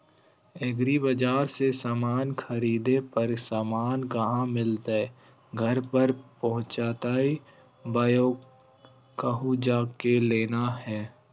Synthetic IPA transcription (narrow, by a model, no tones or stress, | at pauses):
eɡɾibəd͡ʒaːɾsesaːmaːnkʰəɾiːd̪epəɾsaːmaːnkəɦãmɪlt̪e | ɡʱɐɾpəɾpəɦʊ̃t͡ʃaːt̪aːi | baːjoːɡ | kəɦud͡ʒaːkeleːnahɛː